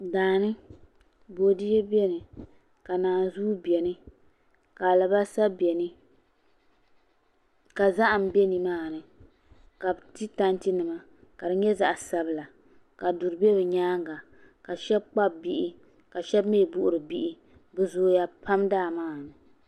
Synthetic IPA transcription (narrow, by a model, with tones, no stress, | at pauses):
daː˨nɨ˦ | bo˨di˦jɛ˦bɛ˦nɨ˨ | ka˨naː˨nzuː˦bɛ˨nɨ˦ | ka˨la˨ba˦sa˦bɛ˨nɨ˦ | ka˨za˦ʔa˨m̩˨bɛ˦ni˨maː˦˨nɨ˨ | ka˨bti˦ta˦nti˦nɨ˨ma˨ | ka˨dɨ˨˦ɲɛ˦za˨ʔsa˦bɨ˦la˨ | ka˨du˨ɾɨ˨bɛ˦bɨ˨ɲaː˦ŋ˦ɡa˨ | ka˨ʃɛ˦b̚k͡pa˦bbi˦ʔi˦ | ka˨ʃɛ˦bmeː˦˨bu˦ʔʊ˨ɾɨ˨bi˦ʔi˦ | bɨ˨zoː˦ja˨pʰa˦mdaː˦˨maː˦˨nɨ˨